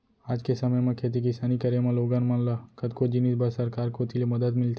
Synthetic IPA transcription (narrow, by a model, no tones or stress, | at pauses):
aːd͡ʒkesɐməjmẽkʰeːt̪̬ik̬ɪsaːnikɐɾemẽloːɡãnmɐ̃nlakɐd̪kod͡ʒɪniːsbəɾsɐɾkaːɾkot̪ʰilemɐd̪əd̪mɪlt̪e